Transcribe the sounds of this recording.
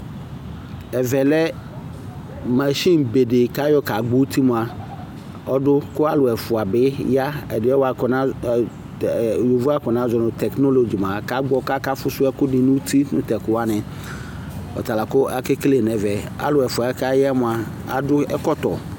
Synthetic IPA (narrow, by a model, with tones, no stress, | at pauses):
ɛ˨vɛ˨lɛ˦ | ma˨ʃĩ˦nbe˨de˨ka˦jɔ˦ka˨ɡ͡bo˦ti˦mʊ̃˨a˨ | ɔ˦dʊ˦kʊ˦a˦lʊ˨ɛ˨fʊ˨a˨bɪ˨˦ja˦ɛ̰˨dɪ˨˦ɛ˦wa˨nã˦˨ | jo˨vu˦a˦kɔ˨nã˨˦zɔ˨nʊ̃˨tɛ˨knɔ˦lo˨d͡ʒi˨m˨ã˨ka˨˦ɡ͡bɔ˨ka˦ka˦fʊ˦sʊ˦ɛ˦kʊ˦dɪ˨nʊ̃˦tʰi˦nʊ̰̃˨tɛ˨kʊ˨wa˦nɪ̃˨ | ɔ̰˨ta˨la˨kʊ˦a˦ke˦kle˨n˨ɛ˨vɛ˨a̰˦lʊ˨ɛ˨fʊ˨a˨ɛ˦ka˦ja˦mʊ̃˨a˨ | a̰˨dʊ˦ɛ̰˦kɔ˦t̪ɔ˨